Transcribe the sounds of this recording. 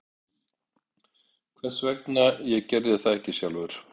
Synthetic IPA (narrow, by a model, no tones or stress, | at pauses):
kʰvɛ̥svɛknajɛɣcɛɾðɪθaðɛhcɪsjalvʏɾ̥